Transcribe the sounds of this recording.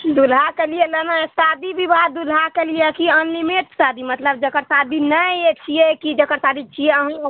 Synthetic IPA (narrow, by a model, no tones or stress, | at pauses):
d̪ulɦakelielənaesad̪ibʱibat̪̚d̪ulɦakelijekiənːimeʈsad̪imət̪ləb̚d͡ʒəkəɾsad̪inəjet͡ʃʰijekid͡ʒəkəɾsad̪it͡ʃʰijeəɦə̃